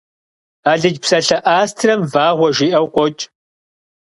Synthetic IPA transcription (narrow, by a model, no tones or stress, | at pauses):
aːɮɨd͡ʒpsɐɬɐʔaːstʰrɐmvaːʁʷɔʒiːʔɐwkʷʼɔt͡ʃʼ